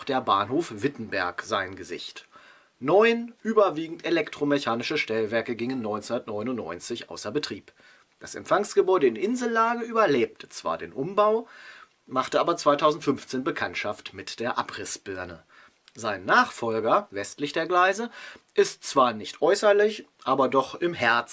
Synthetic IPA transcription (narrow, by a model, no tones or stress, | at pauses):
xd̥eːɐbaːnɦoːfv̥ɪtn̩bɛɐkz̥aɪnɡəzɪ̰çt | nɔʏnʔyːbɐviːɡŋ̩telɛktʁ̥omeçaːnɪʃəʃtɛlvɛɐkəɡɪŋənːɔʏnt͡sndɐtnɔʏnʊntnɔ̰ʏnt͡sɪçʔa̰ʊsɐbətʁ̥iːp | d̥asɛ̰mfaŋsɡ̥əbɔʏɾəɪnʔɪnzl̩laːɡəʔyːbɐleːp̚tʰə̥t͡sv̥a̰ːɐdḛːnʔʊmbaʊ | maχtəʔaːbɐt͡sv̥aɪtʰaʊzn̩tfʏnft͡seːnbəkʰantʃaftmɪtd̥eːɐʔapʁ̥ɪsb̥ʏɐnə | zaɪnːaːχfɔlɡɐvɛstlɪçd̥eːɐɡlaɪzəʔɪstt͡sv̥aːɐnɪçtʔɔʏsɐlɪçʔaːbɐdɔχɪmhɛɐt͡s